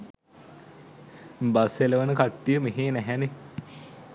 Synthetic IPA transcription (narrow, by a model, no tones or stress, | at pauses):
baseləʋənəkaʈːijəmeɦeːnæɦɛne